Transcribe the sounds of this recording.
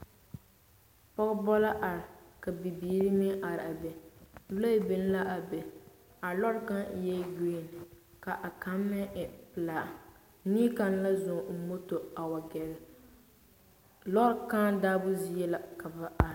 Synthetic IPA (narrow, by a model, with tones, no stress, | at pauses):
pɔ˦ɣbɔ˦la˦ʔa˨ɾɪ˨ka˨bi˨biː˨˦ɾi˦mi˦ʔa˨ɾɪ˨a˨bɛ˨lo˦bɪ˨n˦la˦ʔa˨bɛ˨ | a˨lɔ˦ɾka˦n˦jɛ˦ɡe˦˨n˨ | ka˨ʔa˨ka˨˦mːɪ˦ʔɪ˨pɨ˨laː˨ʔ | niː˦ka˨n˦la˦zʊ˨ŋ̩˨mo˦to˨a˨wa˨ɡɛ˨ɾɪ˨ | lɔ˦kaː˦daː˦bʊ˦zi˦jɛ˦la˨ka˨ba˨ʔa˨ɾ